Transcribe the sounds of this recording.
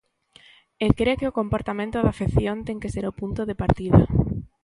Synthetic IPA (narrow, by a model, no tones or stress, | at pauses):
ekɾekɪʊkompoɾt̪amẽnt̪ʊðafeθjont̪ɛŋkeseɾʊpunt̪ʊðɪpaɾt̪iðɐ